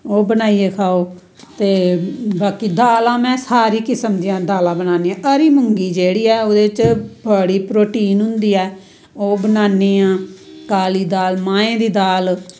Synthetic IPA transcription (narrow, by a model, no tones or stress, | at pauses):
oːbənaːiːeːkʰaːoː | t̪eːbaːkiːd̪aːlãːmɛ̃ːsaːɾiːkɪsəmd̪iãːd̪aːlãːbənaːneːãːʔəɾiːmʊŋɡiːd͡ʒeːɽiːɛːoːd̪eːt͡ʃbəɽiːpɾoːʈiːnɦʊ̃nd̪iːɛː | oːbənaːniːãːkaːliːd̪aːlmãːẽːd̪iːd̪aːl